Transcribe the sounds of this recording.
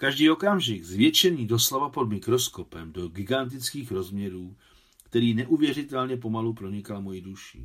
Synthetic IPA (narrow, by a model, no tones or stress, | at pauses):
kaʒdiːo̞kamʒɪɡzvjɛt͡ʃɛvɲiːdo̞slavapo̞dmɪkɾo̞sko̞pɛmdo̞ɡɪɡant̪̬ɪt͡skiːxɾo̞zmɲɛɾuː | kt̪ɛɾiːnɛʔuvjɛrɪt̪ɛlɲɛp̬o̞malupɾo̞ɲɪkalmo̞jɪduʃɪ̰